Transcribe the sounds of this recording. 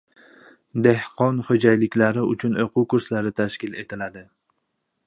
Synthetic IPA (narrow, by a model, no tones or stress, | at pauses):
d̪e̞hqɒnhod͡ʒajlɪkʲlaɾɪʊt͡ʃʰʊnoqʰʊwkʊɾslaɾɪt̪ʰaʃkʲɪle̞t̪ʰɪlad̪ɪ